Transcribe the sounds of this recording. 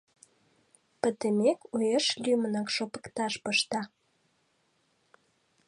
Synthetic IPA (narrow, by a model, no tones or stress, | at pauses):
pə̆t̪əmekujeʃlʲymənɑkʃopə̥̆kt̪ɑʃpəʃt̪ɑ